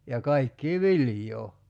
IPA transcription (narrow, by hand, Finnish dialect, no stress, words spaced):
jɑ kɑikːiː ʋiljˑoː